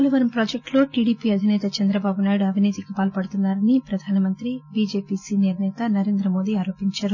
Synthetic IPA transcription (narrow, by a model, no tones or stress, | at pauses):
lɐʋɐɾɐmpɾoːd͡ʒek̚ʈlo̞ːʈiːɽiːpiɐd̪ʱinɛːt̪ɐt͡ʃɛnd̪ɾɐbaːbunaːjiɽuɐbʱiniːt̪ikipaːlɐpɐɽut̪unːaːɾɐnipɾɐd̪ʱaːnɐmɐnt̪ɾibiːd͡ʒeːpiːsiːniɾnɛːt̪ɐnɐɾe̞ːnd̪ɾɐmo̞ːd̪iaːɾo̞ːpiɲt͡ʃaːɾu